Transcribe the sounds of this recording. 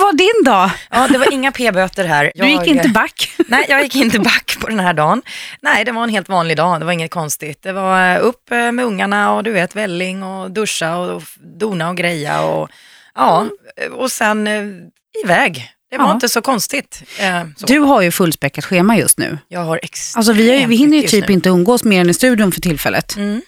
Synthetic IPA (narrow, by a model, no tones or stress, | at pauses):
vaɖɪnd̪ɑːjɑːd̪ɛvaɾɪŋːapʰeːbøt̪əɾɦæːɾjɑɵjɪkːɪnəbakːnɛjjɑːɡjɪkːɪnt̪əbakːpʰɔd̪ɛnhæːɖɑːnnɛɪd̪ɛvaɾɛnɦeːlt̪vɑːnlɪɡd̪ɑːd̪ɛvaɾɪŋːət̪̚kʰɔnst̪ɪt̪̚d̪ɛvaɾɵpːmɛɵŋːaɳaɔd̪ɵveːt̪vɛlːɪŋɔd̪ɵʂːaɔd̪uːnaɔɡɾɛjːa̰ɔ̰ | ɑːɔsɛn | ɪvɛːɡd̪̥ɛvaɾɪnt̪əsɔkʰɔnst̪ɪt̪sd̪ɵɦaɾjɵfɵlːspɾɛkːat̪ɧeːmajɵst̪nʉ̟̰ːjɑːɡhaɾʔɛksals̬ɔvɪhajvɪɦɪnːəɾjʏyːpɪnt̪əɵnɡoːsmeːɾɛnɪst̪ʉ̟ːd̪ɪʊmfœʈʰɪlfɛ̰lːʔə̰t̪̩ː